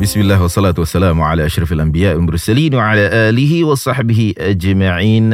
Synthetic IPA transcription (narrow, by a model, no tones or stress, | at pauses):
bɪsmɪlːaːhwɑsˤːɑlaːt̪wasːalaːmwʕalaːʔaʃɾˤɑfalʔambɪjaːʔmʊɾˤsaliːnwaʕalaːʔaːlɪɦɪwɑsˤɑħbɪhɪʔad͡ʒmaʕiːn